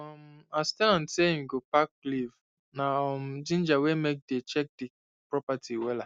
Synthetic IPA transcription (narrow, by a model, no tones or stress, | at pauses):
ɔmastɛlãnseĩmɡopakːliv | nam̩d͡ʒĩnd͡ʒawemek̚det͡ʃɛk̚di | pɹɔpatʰiwɛla